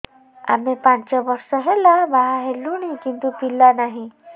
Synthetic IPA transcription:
a̰mepãnt͡ʃɔbʌɾsɔɦelabaɦaɦeluɽ̃ikint̪upilːanaɦĩ

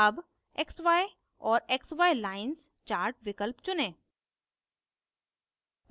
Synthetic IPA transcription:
ɐb | eksʋaːe | ɔːɾeksʋaːjlaːɪnst͡ʃaːɾʈʋɪkəlpt͡ʃʊnẽː | m

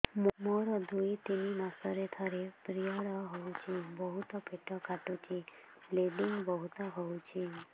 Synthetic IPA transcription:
mmoɾɔd̪ujt̪ininɔsɔɾet̪ʰɔɾepɾijɔɽɔɦowt͡ʃʰibɔɦut̪ɔpʰeʈɔkaʈut͡ʃʰi | leɖiŋbɔɦut̪ɔɦowt͡ʃʰi

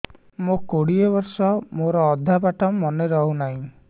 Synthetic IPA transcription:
mokoɽiebɔɾsɔmoɾɔːd̪ʱːapaʈɔmːɔneɾɔɦunaɦĩ

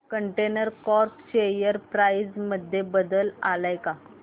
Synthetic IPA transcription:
kəɳʈenəɾkɔɾpɕejəɾpɾaid͡zməd̪ʱːjebəd̪əlalajka

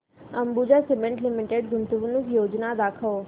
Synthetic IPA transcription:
ɐ̃mbud͡ʑasɪmẽɳʈlɪmɪʈeɖɡʊnt̪uʋunukjoːd͡ʒnad̪aːkʰəʋ

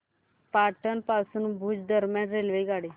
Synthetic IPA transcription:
paʈənpasuːnbʱuːd͡zd̪əɾmjanɾelʋeiɡaɽi

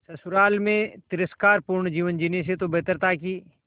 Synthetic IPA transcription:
sɐsʊɾaːlmẽt̪ɪɾəskaːɾpuɾɳd͡ʒiːʋənd͡ʒiːnes̬et̪obəɦt̪əɾt̪aːki

